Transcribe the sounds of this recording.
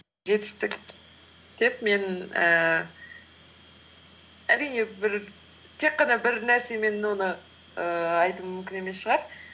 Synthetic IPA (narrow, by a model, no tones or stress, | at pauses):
ʒe̞t̪ɪ̥st̪ɪk | d̪̥e̞p̚me̞nəː | æɾijne̞bɪɾ | t̪ʰe̞k̚qːɑnɑbɪɾnæɾse̞me̞nwo̞nə | əɑjt̪ummʏmkʲɪne̞me̞sʃəʁɑɾ